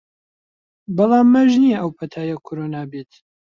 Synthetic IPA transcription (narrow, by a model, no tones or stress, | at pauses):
bɑlˠɑːmːɐʒnijɛʔɐwpʰɐt̪ʰaːjɐkʰoɾonaːbeːt̪